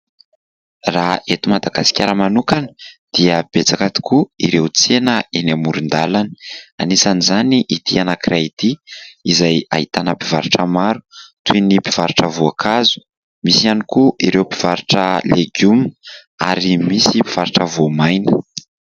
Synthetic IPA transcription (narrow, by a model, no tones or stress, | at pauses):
raet̪umad̪aɡasi̥kʲaɾəmanukanə̥d̪̥iəb̥et͡sakat̪i̥kuiɾewt͡senəenamuɾund̪alani̥a̰nisanizaniʔit̪ianakirait̪iizaja̰ɦit̪anəpivaɾuʈ͡ʂəmaɾu̥t̪uinipiv̥aɾiʈ͡ʂəvoakʰazu̥ | misianikuʔiɾewpi̥v̥aɾuʈ͡ʂəleɡumaɾimisipiv̥aɾuʈ͡ʂəvomajnə